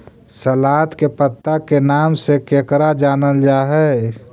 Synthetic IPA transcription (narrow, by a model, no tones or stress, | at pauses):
səlaːt̪kepət̪ːakenaːmsekeːkɾad͡ʒaːnəld͡ʒaːɦɛ